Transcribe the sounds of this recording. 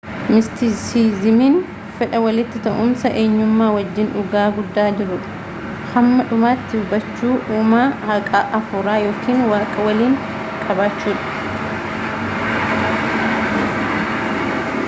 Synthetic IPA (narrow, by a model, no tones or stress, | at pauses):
mɪst̪isiːzɪmiːn | fɛᶑɐwɐlɪt̪ːɪt̪ɐʔʊmsɐʔeːɲːʊmːaːwɐd͡ʒːɪnʔʊɡaːɡʊd̪ːaːd͡ʒɪɾʊᶑɐ̥ | hɐmːɐᶑʊmaːt̪ːɪʊbɐt͡ʃːuːʔuːmaːhɐkʼaʔɐfʊɾaːjo̞ːkiːnwaːkʼɐwɐliːŋ | kʼɐbaːt͡ʃːuːᶑɐ̥